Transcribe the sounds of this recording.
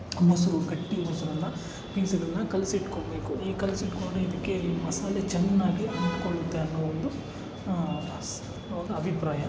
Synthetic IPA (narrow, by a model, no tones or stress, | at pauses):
mɐsuɾuɡɐʈːiɐmɐsuɾɐlːɐ | piːsɐlɐnːɐkɐlsiːʈkoːbe̞ːkuiːkɐlsiiʈkoːɽeid̪ɐkːemɐsaːlet͡ʃɛnːaːɡliɐniʈkoɭut̪ːeɐnːɐond̪u | s | ʋaːɡɐɐbʱipɾaːjɐ